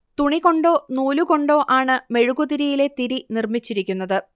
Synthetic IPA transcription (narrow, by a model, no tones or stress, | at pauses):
t̪uɳiɣo̞ɳɖo̞ːnuːluko̞ɳɖo̞ːʔaːɳɨme̞ɻuɣuðiɾijile̞t̪iɾinirmit͡ɕːiɾikʲːunːɐðɨ